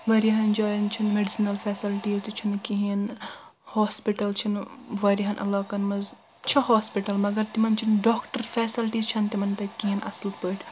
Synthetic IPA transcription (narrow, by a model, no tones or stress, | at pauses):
ʋɐɾiɦɐnd͡ʒaːjɐnt͡ʃʰinmeɖisinɐlfeːsilʈiːzt̪it͡ʃʰinkiɦinhoːspiʈɐlt͡ʃʰinʋɐɾiɦɐnʔɐ̰laːkɐnmɐz | t͡ʃʰɐɦoːspiʈɐlmɐɡɐɾt̪imɐnt͡ʃʰinɖoːkʈɐɾfɛːsilʈiːzt͡ʃʰɐnt̪imɐnt̪ɐkiɦinʔɐ̰slpəːʈʰʲ